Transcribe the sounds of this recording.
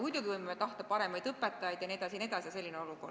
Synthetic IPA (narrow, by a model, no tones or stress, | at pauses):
mujd̪̥uɡ̥ivɤjmemet̪ɑht̪ɑpɑɾe̞mɑjd̪̥ɤpːˑet̪ːˑɑjɑjd̪jɑnied̪ɑsinie̞d̪ɑsijɑse̞lʲːineo̞luɡo̞̰r